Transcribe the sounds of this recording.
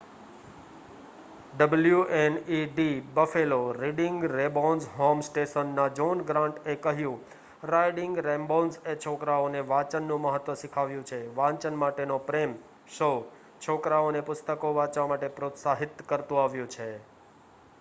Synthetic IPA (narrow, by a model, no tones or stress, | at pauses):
ɖəbəljuʔeniɖibəfeloɾiɖɪŋɡɾebonzɦomsʈeʃənːad͡ʒonɡɾãɳʈekəɦjũ | ɾajɖɪŋɡɾɛ̃mbonset͡ʃʰokɾaoneʋãt͡ʃənːũməɦət̪ːʋəʃɪkʰaʋjũt͡ʃʰeʋãt͡ʃənmaʈenopɾem | ʃo | t͡ʃʰokɾaonepʊst̪əkoʋat͡ʃʋamaʈepɾot̪saɦɪt̪kəɾt̪ũaʋjũt͡ʃʰe